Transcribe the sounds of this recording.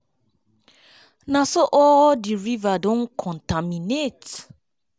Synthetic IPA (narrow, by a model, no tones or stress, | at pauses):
nasoʔɔdiɹivadɔ̃nkʰɔ̃ntaminet